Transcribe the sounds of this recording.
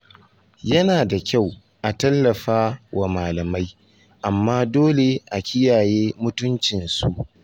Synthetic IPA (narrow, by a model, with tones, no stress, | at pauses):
jɐ˦naː˨da˨kʲa˦˨w | ʔa˨tɐ˦lːɐ˨ɸaː˦wa˨maː˨lɐ˨ma˦j | ʔa˨mːaː˦doː˦le˨ʔa˨kʲɪ˦jaː˨jeː˦mʊ˦tʊ˦nt͡ʃɪ˨nsu˦ʔ